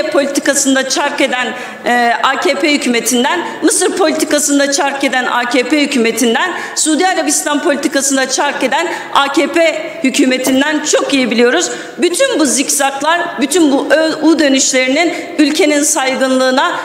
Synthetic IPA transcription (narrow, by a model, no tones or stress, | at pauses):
pʰolʲit̪ʰi̥kasɯnd̪at͡ʃʰaɾke̞d̪æn | aːcʰeːpʰɛhycʰyːme̞t̪ʰind̪æn | mɯsɯɾpʰo̞lʲit̪ʰikasɯnd̪at͡ʃʰaɾke̞d̪ænaːceːpehycʰyːme̞t̪ʰind̪æn | suːd̪ijaɾabist̪anpʰolʲit̪ikasɯnd̪at͡ʃʰaɾke̞d̪æn | aːcʰeːpʰe | hycʰyːme̞t̪ʰind̪ænt͡ʃʰo̞kijebilʲijo̞ɾuz | byt̪ʰynbuzicsaklˠaɾbyt̪ʰynbuʔøud̪ø̞nyʃlʲe̞ɾinin | ylʲcʰe̞ninsajɡɯnlˠɯːna